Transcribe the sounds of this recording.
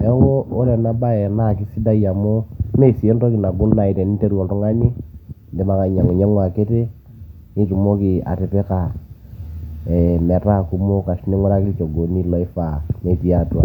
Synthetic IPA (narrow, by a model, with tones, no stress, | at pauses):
ɛ˨˦ɔ˦kɔ˦o˦ɾɛ˨na˦ba˦ɛ˨na˦˨ki˦si˦da˦i˦a˨mɔ˦ne˦˨si˨e˦ndɔ˦ki˨na˨ɡo˦n˦na˨i˨tɛ˨ni˦tɛ˦ɾwɔ˨ndɔ˦ŋa˦ɲi˦nde˨ma˨ka˨ɲa˨ŋɛ˨ɲɛ˦ŋwa˨ke˦te˦ | ni˦tu˨mɔ˦ki˨a̰˨te˨pe˦ka˨ | ɛ˨m˨a˨ta˦˨ku˦mo˦ka˨ʃne˦ŋwɛ˦ɾa˦ki˦t͡ʃɔ˨ɡo˨ni˦lɔ˦i˦fa˨ne˨ti˨a˨twa̰˨